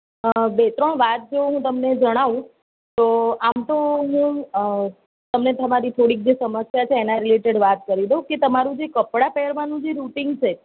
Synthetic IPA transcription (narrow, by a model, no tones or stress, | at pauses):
bet̪ɾəɳʋat̪̚d͡ʒoɦũt̪əmned͡ʒəɽ̃aʋũ | t̪oamt̪oɦũ | t̪əmnet̪əmaɾit̪ʰoɽik̚d͡ʒesəməsjat͡ʃʰeːnãɾileʈeɖʋat̪kəɾideɦũket̪əmaɾũd͡ʒekəpɽapɛɾʋanũd͡ʒeɾuʈiŋɡt͡ʃʰe